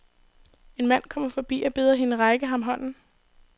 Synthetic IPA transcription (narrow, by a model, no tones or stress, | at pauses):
e̝nmæn̰kʰɒ̽m̰ɐfɒ̽b̥ḭːæb̥e̝ð̞ˠɐɦe̝nəʁɑ̈ɪɡ̥əɦɑ̈mɦɒ̽n̰n̩